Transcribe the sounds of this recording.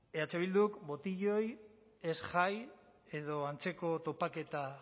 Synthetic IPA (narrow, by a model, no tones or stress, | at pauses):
eat͡seβild̪ukbo̞t̪iʎo̞j | e̞sʝaj | e̞ð̞o̞ant͡se̞ko̞t̪o̞pake̞t̪a